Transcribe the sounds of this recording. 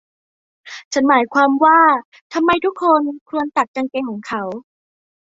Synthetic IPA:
t͡ɕʰa˦˥nmaː˩˦jkʰwaː˧mwaː˥˩ | t̪ʰa˧mːa˧jt̪ʰu˦˥kʰːo˧nkʰu˧ənt̪a˨˩t̪̚t͡ɕa˧ŋke˧ŋkʰɔː˩˦ŋkʰa˦˥w

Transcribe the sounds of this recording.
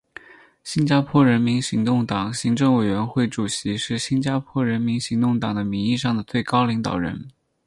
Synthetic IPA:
ɕi˥nt͡ɕja˥pʰwɔ˥ɻə˧˥nmi˧˥nɕi˧˥ŋt̪ʊ˥˩ŋt̪ɑ˨˩ŋɕi˧˥ŋʈ͡ʂɤ˥˩ŋwe˨˩ɪɥɛ˧˥nxwe˥˩ɪʈ͡ʂu˨˩ɕi˧˥ʂɻ̩˥˩ɕi˥nt͡ɕja˥pʰwɔ˥˩ɻə˧˥nmi˧˥nɕi˧˥ŋt̪ʊ˥˩ŋt̪ɑ˨˩ŋd̪ə˦mi˧˥ŋi˥˧ʂɑ˥˩ŋd̪ə˩t͡swe˥˩ɪkɑ˥ʊli˧˥ŋt̪ɑ̰˨˩ʊɻə̰˧˥n

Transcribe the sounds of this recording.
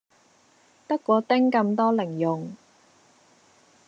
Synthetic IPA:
t̪ɐ˥kːʷɔː˨˧t̪ɪ˥ŋkɐ˧mt̪ɔː˥lɪ˨˩ŋjʊ˨ŋ

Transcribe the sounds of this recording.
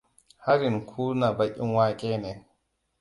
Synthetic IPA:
ha˦ɾi˨nkʰuː˦na˨ba˨kːi˦nwaː˦kʼɛ˦nɛ˨

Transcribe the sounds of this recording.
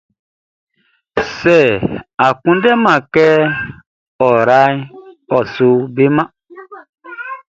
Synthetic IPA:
sɛ˨a˨kũ˦ndɛ˦mã˨kɛ˦ | ɔ˨ɾa˦jɔ˨su˦be˦mã˦

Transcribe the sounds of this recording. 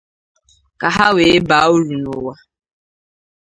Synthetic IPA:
ka˨ɦa˦we˨˦ba˨˦o˦ɾu˨nʊ˨wa˦

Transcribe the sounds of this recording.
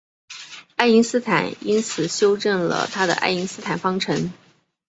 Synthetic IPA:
a˥˩ɪi˧˥ŋsɹ̩˥t̪ʰa˨˩˦ni˥nt͡sʰɹ̩˨˩ɕjo˥ʊʈ͡ʂə˥˩nlə̰˩t̪ʰa˥d̪ə̰˧ʔa̰˥˩ɪi˧˥ŋsɹ̩˥t̪ʰa˨˩nfɑ˥ŋʈ͡ʂʰɤ˧˥n

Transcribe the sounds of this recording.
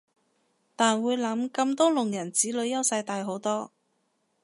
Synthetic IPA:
t̪aː˨nwuː˨˧jlɐ˨˧˥mkɐ˧mt̪ɔː˥lʊ˨˩ŋjɐ˨˩nt͡siː˨˥lɵ˨˧ɥjɐ˥wsɐ˧jt̪aː˨˧jɦo˨˥wt̪ɔː˥

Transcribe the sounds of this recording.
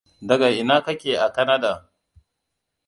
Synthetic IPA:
dɐ˨ɡa˨ʔɪ˨naː˦kɐ˦kʲeː˨ʔa˨kɐ˦na˦da˨

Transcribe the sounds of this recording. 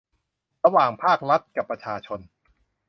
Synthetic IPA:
ɾa˧waː˨˩ŋpʰaː˥˩k̚ɾa˦˥t̪̚ka˨˩pːɾa˧t͡ɕʰaː˧t͡ɕʰo˧n

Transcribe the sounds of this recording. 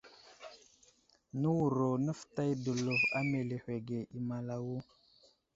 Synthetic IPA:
nə˦wu˨ɾo˨nə˦fta˦jdə˨lu˨va˦me˨le˨hʷe˨ɡe˨ʔi˨ma˨la˨wu˦

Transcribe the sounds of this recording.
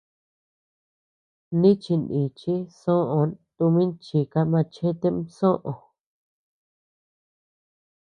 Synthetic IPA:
nĩ˦t͡ʃi˧ndi˨t͡ʃi˦sõ˦ʔõ˧t̪u˧mĩ˦nt͡ʃi˧ka˧mã˧t͡ʃẽ˦t̪e˦msõ˦ʔõ˨˧

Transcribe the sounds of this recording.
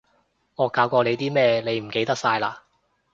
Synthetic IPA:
ŋɔː˨˧kaː˧wkʷɔː˧le˨˧jt̪iː˥mɛː˥le˨˧jm̩˨˩ke˧jt̪ɐ˥k̚saː˧jla̰ː˧

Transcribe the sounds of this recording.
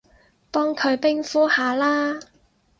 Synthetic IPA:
p̪ɔː˥ŋkʰɵ˨˧ɥpɪ˥ŋfuː˥haː˨˧laː˥

